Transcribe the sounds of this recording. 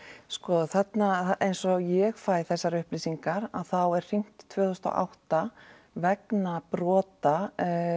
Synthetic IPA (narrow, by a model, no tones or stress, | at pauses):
skɔθɛt̪naejnsɔjɛɣfaːjθɛsːaɾʏhpliːsiŋkaɾa̰ðθawɛɾ̥r̥iŋ̥t̪t̪ʰv̥œːθʏst̪ɔ̰ʔa̰wht̪a | vɛknapɾɔːt̪a